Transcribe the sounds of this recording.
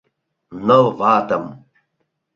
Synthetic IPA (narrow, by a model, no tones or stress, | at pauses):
nɐwvaːt̪ɐm